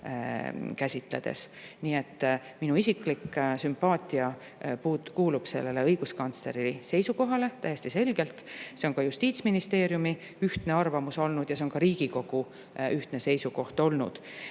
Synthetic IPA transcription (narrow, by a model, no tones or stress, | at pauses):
kæsʲit̪ˑle̞̰d̪̥e̞̰sniːe̞t̪ːˑ | minuisikˑliksympɑːt̪ʲˑiɑ | pukuːlub̥se̞̰lːe̞le̞ɤjɡ̥uskɑnt̪sle̞ɾilise̞jsuko̞ɦɑle̞t̪æjest̪ise̞lɡ̥e̞lt̪ˑse̞onkɑjust̪iːt̪sminist̪e̞ːɾjumi | yht̪ne̞ɑrvɑmuso̞lnud̪jɑse̞o̞nkɑɾiːɡ̥iko̞ɡ̥u | yht̪ne̞se̞jsuko̞ht̪o̞lnṵd̪̥